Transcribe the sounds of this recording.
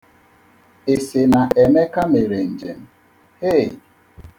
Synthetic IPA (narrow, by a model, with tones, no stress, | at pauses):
e˨sɪ˨na˨ʔe˨me˦ka˦me˨ɾe˨n̩˨d͡ʒḛ˨m̩˨˦ | he˦˨